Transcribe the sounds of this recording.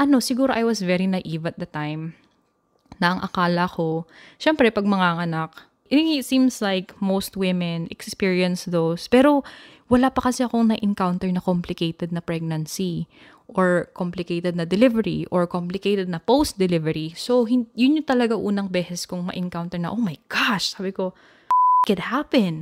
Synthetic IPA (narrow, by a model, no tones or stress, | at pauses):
ʔɐno̞sɪɡuːɾoʔɐjwɐsvɛɹinɐʔiːvɐt̪̚d̪ɐt̪ajm | nɐɐŋʔɐ̰kaːlɐko̞ʃɛmpɾɛpɐɡ̚mɐŋaŋɐnak̚ | ʔŋɪt̪sĩmslajkmowst̪wɪmɛnʔɛkspiɹiɐnsd̪owspɛːɾo̞ | wɐlaːpɐkɐsɛɐko̞ŋnɐʔɪŋkawnt̪ɛɹnɐkomplɪkejt̪ɛd̪̚nɐpɹɛɡ̚nɐnsi | ʔoɹkomplɪkejt̪ɛd̪̚nɐd̪ɛlɪvɛɹḭʔoɹkomplɪkejt̪ɛd̪̚nɐpowst̪̚d̪ɛlɪvɛɹisoɦɪnjʊnɲot̪ɐlɐɡaʔuːnɐŋbɛːsɛskʊŋmɐ̰ʔɪŋkawnt̪ɛɹnɐ̰ʔowmɐjɡ̥ɑʃsaːbɪko̞ | kɛd̪̚hapɛn